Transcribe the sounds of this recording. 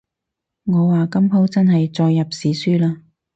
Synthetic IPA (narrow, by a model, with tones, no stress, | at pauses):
ŋɔː˨˧waː˨kɐ˥mpʰo˥wt͡sɐ˥nɦɐ˨jt͡sɔː˧jːɐ˨p̚siː˨˥syː˥laː˥